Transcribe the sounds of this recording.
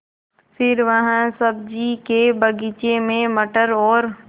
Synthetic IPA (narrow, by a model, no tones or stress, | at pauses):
fɪɾʋɐɦãsəb̚d͡ʒikebɐɡit͡ʃemẽmɐʈəɾɔːɾ